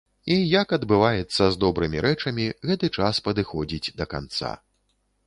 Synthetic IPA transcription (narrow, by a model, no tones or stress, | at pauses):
ijɐkɐd̪bɨvajɛt̪sːɐzd̪ɔbɾɨmʲiɾʔɛt͡ʂɐmʲiɣɛt̪ɨt͡ʂaspɐd̪ɨxɔd͡zʲid͡zʲd̪ɐka̰nt̪sa̰